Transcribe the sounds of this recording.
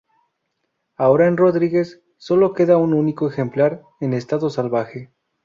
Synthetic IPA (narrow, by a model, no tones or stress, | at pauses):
ao̞ɾaenro̞ðɾiɣe̞sː | o̞lo̞ke̞ðaununikoexe̞mplaɾ | e̞nest̪aðo̞salβaxe̞